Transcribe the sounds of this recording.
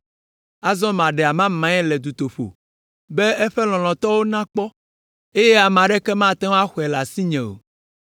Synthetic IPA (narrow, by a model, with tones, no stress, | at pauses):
a˦zɔ̃˦mã˨ɖɛ˨a˨mã˦mã˨˦ɛ˦lɛ˨d̪u˨t̪o˨ɸo̰˨ | be˦ɛ˦ɸɛ˦lɔ̃˨l̃ɔ̃˨t̪ɔ˦wo˦nã˦k͡pɔ˦ | e˦jɛ˦a˨m˨ã˨ɖe˦kɛ˦mã˦t̪ã˦wa˦xɔ˨ɛ˨la˨si˦ɲɛ̃˨o̰˨